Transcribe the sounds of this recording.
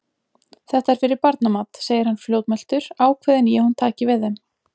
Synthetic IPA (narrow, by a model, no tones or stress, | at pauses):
θɛht̪aɛɾ̥fɪɾɪɾpaɾt̪namat̪seːjɪɾhanːfljoːwt̪mɛl̥t̪ʏɾ̥aːwkʰvɪːðɛnjɛhunt̪ʰaːcɪvɪðɛm